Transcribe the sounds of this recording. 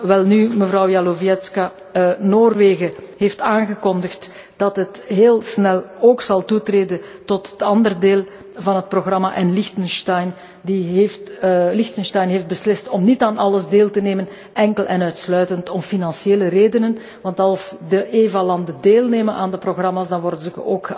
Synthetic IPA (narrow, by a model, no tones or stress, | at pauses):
ʋɛlˠnyːməvrɑwjaloviɛtska | noːrʋeːɣəɦeːftaːnɣəkɔndəxt | d̥ɑtɦətɦeːlˠsnɛlˠoːksɑlˠtutreːdəntɔtətɑndərdeːlˠ | vɑnɦət̚proɣrɑmaʔɛnlɪxtənstɑjn | diɦeːftlɪxtənstɛjnɦeːfd̚bəslɪstɔmnitaːnɑləzdeːlˠtəneːmən | ɛŋkəlˠʔɛnœɥtslœɥtəntɔmfinɑnsjeːləreːdənən | ʋɑntɑlˠsdəʔeːvalɑndədeːlˠneːmənʔaːndəproɣrɑmaːsdɑnʋɔrdəzəkoːkxə